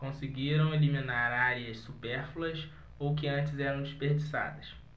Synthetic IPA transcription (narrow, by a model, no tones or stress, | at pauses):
kõsɪɡiɾɐ̃w̃eliminaɾaɾiɐssupeɾfuɐs | owk̬ɪɐ̃nt͡ʃɪzɛɾɐ̃w̃d͡ʒiʃpeɾd͡ʒisa̰d̪ɐs